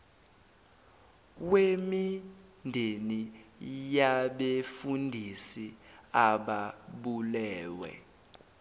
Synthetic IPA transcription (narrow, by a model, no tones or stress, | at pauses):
wemindʱenijaɓefundʱisiaɓaɓulɛːwɛ̰